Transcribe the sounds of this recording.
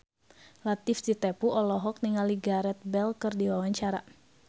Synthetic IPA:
lat̪ifdit̪ɛpuʔɔlɔɦɔk̚niŋaliɡaɾɛt̪̚bɛlkɨrdiwawaɲt͡ʃaɾa

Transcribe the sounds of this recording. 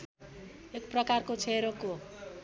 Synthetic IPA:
ekprʌkarkot͡sʰeɾoko

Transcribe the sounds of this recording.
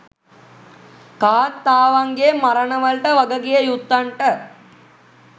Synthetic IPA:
kaːt̪ːaːʋaŋɡemaɾənəʋəɭʈəʋaɡəɡijəjut̪ːaɳʈə

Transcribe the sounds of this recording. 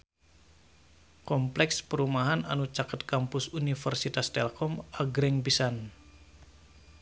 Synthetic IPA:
kɔmplɛkspəɾumaɦananut͡ʃakət̪̚kampʊsunifərsit̪ast̪ɛlkɔmaɡɾɛŋbisan

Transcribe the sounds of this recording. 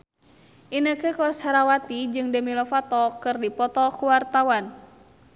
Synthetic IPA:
ʔinəkəkɔshaɾawat̪id͡ʒɨŋdəmilɔfat̪ɔkɨrdipɔt̪ɔkuwart̪awan

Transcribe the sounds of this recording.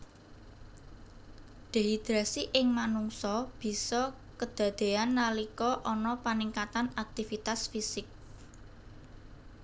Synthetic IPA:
ɖ̪̥eɦid̪̥ɾasiʔɪŋmanuŋsɔb̥i̤sɔ | kəd̪̥ä̤d̪̥e̤anːalikɔʔɔnɔpaniŋkat̪anak̚t̪ifit̪asfisɪk̚

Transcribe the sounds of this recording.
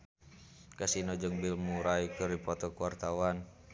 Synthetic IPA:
kasinɔd͡ʒəŋbilmuɾaikɨrdipɔt̪ɔkuwart̪awan

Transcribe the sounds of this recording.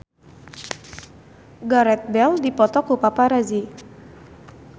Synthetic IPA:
ɡaɾɛt̪̚bɛldipɔt̪ɔkupapaɾazi

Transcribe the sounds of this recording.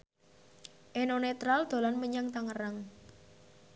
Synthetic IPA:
ʔenonet̪ɾald̪̥o̤lanməɲaŋt̪aŋəraŋ

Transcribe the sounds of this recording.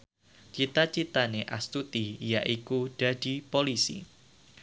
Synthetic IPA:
t͡ʃit̪at͡ʃit̪aneʔast̪ut̪ijaʔikud̥a̤d̥i̤polisḭ

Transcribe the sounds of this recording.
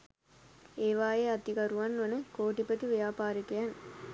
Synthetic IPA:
eːʋaːjeɐt̪ikɐɾuʋɐnːʋɐnəkoːʈipət̪iʋijaːpaːɾikejan

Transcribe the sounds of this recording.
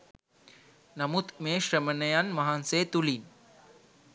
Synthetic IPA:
nɐmut̪meːʃɾemənɐjaːnmɐɦaːnseːt̪ulin

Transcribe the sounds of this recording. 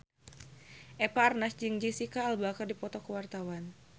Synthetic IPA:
ʔɛpaːrnasd͡ʒɨŋd͡ʒisikaːlbakərdipɔt̪ɔkəwart̪awan

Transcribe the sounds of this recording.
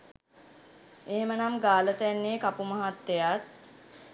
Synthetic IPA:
eɦemənamɡaːlət̪ænːeːkapuməɦat̪ːejat̪̚

